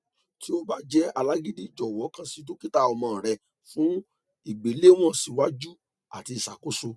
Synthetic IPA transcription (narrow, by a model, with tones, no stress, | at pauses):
ti˦o˦ba˦d͡ʒɛ˦a˧la˦ɡi˦di˦˨d͡ʒɔ˨wɔ˨˦kã˦si˦t̬o˦ki˦ta˦˨ɔ˧mã˧˨ɾɛ˨ | fũ˨˦ | i˦˨ɡ͡be˨˦le˦w̃ɔ̃˦˨si˧wa˦d͡ʒu˦ | a̰˨ti˧˨sa˨ko˨˦so˧